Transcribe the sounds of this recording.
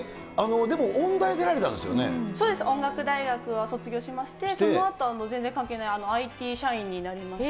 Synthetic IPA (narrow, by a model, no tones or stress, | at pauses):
ano̞d̪e̞mo̞ʔõnd̪aid̪e̞ɾaɾe̞t̪ã̰nd̪esɨjonḛso̞ːd̪e̞sɨʔõ̞ŋɡakɯ̟d̪aiɡakɯ̟βaso̞t͡sɨɡʲo̞ːɕimaɕi̥t̪e̞so̞noat̪oano̞zẽ̞nd͡zẽ̞ŋkãŋkeːnaiano̞ait̪ʲiːɕaĩɲ̟ːinaɾʲimas